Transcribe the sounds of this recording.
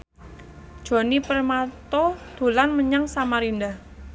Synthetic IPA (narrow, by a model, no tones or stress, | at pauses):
d̥ʒ̥o̤nipərmat̪od̪̥o̤lanməɲaŋsamaɾindah